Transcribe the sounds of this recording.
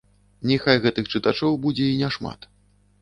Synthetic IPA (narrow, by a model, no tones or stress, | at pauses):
nʲixajɣɛt̪ɨxt͡ʂɨt̪at͡ʂɔwbud͡zʲɛinʲɛʂma̰t̪